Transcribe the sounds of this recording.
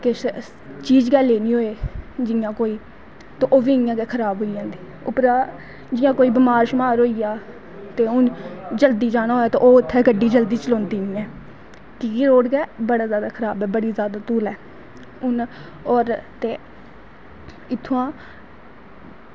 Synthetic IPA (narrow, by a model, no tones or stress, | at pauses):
kɪs | t͡ʃiːd͡ʒɡɛːleːnĩːɦoːeːd͡ʒɪjãːkoːiː | t̪õːʔoːʋiːɪjãːkɛkʰəɾaːbɦoːiãːnd̪iː | ʊpɾaː | d͡ʒɪjãːkoːiːbəmaːɾʃmaːɾɦoːijaː | t̪eːʊnd͡ʒəld̪iːd͡ʒaːnaːɦoːaːt̪õ̰ːʔoːɪt̪ʰːɛːɡəɖiːd͡ʒəld̪iːt͡ʃəlõːnd̪iːnĩːɛː | kɪkiɾoːɽɡɛːbəɽaːzjaːd̪aːkʰəɾaːbɛːbəɽiːzjaːd̪aːt̪uːlɛː | ʊn | ɔːɾt̪eː | ɪt̪ʰːãː